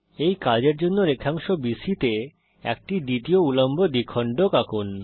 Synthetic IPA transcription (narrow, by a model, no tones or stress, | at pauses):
ejkad͡ʑeɾd͡ʑonːoɾekʰaŋʃobiʃit̪e | ɛ̰k̚ʈiɖ̪it̪ioulombʱod̪ikʰːɔɳɖokakun